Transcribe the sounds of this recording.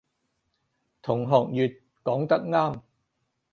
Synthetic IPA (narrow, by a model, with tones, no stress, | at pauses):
t̪ʰʊ˨˩ŋɦɔː˨k̚jyː˨t̚ | kɔː˨˥ŋt̪ɐ˥k̚ŋaː˥m